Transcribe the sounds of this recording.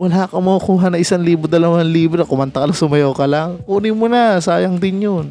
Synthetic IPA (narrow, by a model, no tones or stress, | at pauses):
wɐlaːkɐmɐukuːɦɐnɐʔɪsaŋliːbod̪ɐlɐwanliːbɾokʊmɐnt̪ɐkɐlɐŋsʊmɐjoːkɐlaŋuːnɪmʊnɐsaːjɐŋd̪ɪnjon